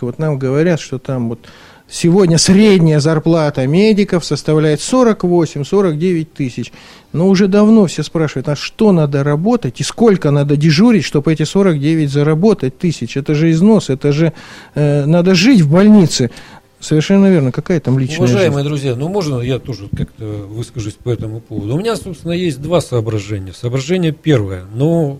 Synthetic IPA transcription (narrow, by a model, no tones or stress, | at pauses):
vo̞t̪namɡəvɐɾʲat̪ʂt̪o̞t̪amvo̞t̪ | sʲɪvo̞dʲnʲəsɾʲedʲnʲɪjəzɐrplˠat̪əmʲedʲɪkəfsəst̪ɐvlʲæjɪt̪so̞ɾəkvo̞sʲɪmʲso̞ɾəkdʲevʲɪt̚ʲt̪ɨsʲɪt͡ɕ | noʊʐɛd̪ɐvno̞fsʲespɾaʂɨvəjt̪nasʂt̪o̞nad̪əɾɐbo̞t̪ət̚ʲɪskolʲkənad̪ədʲɪʐuɾʲɪtʲʂt̪o̞bɛtʲɪso̞ɾəkdʲevʲɪtʲzəɾɐbo̞t̪ət̚ʲt̪ɨsʲɪt͡ɕɛt̪əʐɨɪzno̞sɛt̪əʐɨ | nad̪əʐɨtʲvbɐlʲnʲit̪sɨ | səvʲɪrʂɛnːəvʲe̞rnəkɐkajət̪amlʲit͡ɕʊnvɐəəʐajɪməjəd̪ɾʊzʲjanumo̞ʐnəjat̪oʐɨkakt̪əvɨskəʐʊsʲpɐɛt̪əmʊpovəd̪ʊːmʲɪnʲasopst̪vʲɪnəjesʲt̚ʲd̪vasəːbɾɐʐɛnʲɪjəsəːbɾɐʐɛnʲɪjəpʲervəjəno